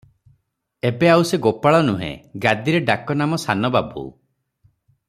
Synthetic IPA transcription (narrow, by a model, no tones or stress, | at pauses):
ebeawseɡopaɭɔnuɦḛ̃ɡad̪iɾeɖakɔnamɔsanɔbabṵ